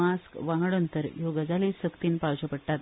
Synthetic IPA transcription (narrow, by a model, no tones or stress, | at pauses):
askʋaŋɡəɽənt̪əɾjoɡəd͡zalisəkt̪iːnpaɭt͡ɕəpəɽʈ̪at̪